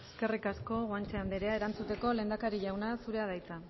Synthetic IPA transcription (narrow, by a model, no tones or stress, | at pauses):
eske̞rikasko̞ɣwant͡ʃeand̪eɾe̞ae̞ɾant͡sut̪e̞ko̞le̞ːnd̪akaɾiʝawnasuɾe̞að̞ajt͡sa